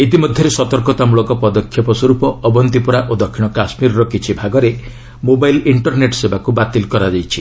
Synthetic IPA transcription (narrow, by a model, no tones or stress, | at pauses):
et̪imɔd̪ʱjɔɾesɔt̪ɔɾkɔt̪amuɭɔkɔpɔd̪ɔkʰːjɔpɔsɔɾupɔːbɔnt̪ipuɾaʔod̪ɔkʰːiɽ̃ɔkasmiɾɔɾɔkit͡ʃʰibʱaɡɔɾe | mobajliɳʈɔɾneʈsebakubat̪ilkɔɾad͡ʒajt͡ʃʰi